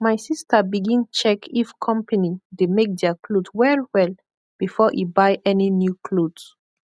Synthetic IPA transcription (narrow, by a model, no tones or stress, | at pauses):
majsistəbiɡĩnt͡ʃɛkʰifkʰɔ̃mpʰanidemek̚dɛkludwɛlwɛl | b̥ifɔʔibajʔɛninjukʰlud